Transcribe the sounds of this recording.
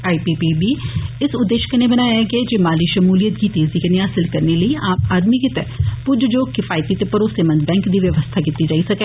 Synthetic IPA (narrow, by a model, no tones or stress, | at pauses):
aːipiːpibiːɪsʊd̪ːeːʃkəneːbənaːjaɡed͡ʒeːmaːliːʃəmuːlijət̪ɡiːt̪eːziːkəneɦaːsɪlkəɾneləiːaːmaːd̪miːkɪt̪ɛːpʊd͡ʒd͡ʒoːkɪfaːjt̪iːt̪epəɾoːseːmə̃nd̪bɛ̃ːŋkd̪iːʋjəʋəst̪ʰaːkɪt̪ːiːd͡ʒaːisəkɛː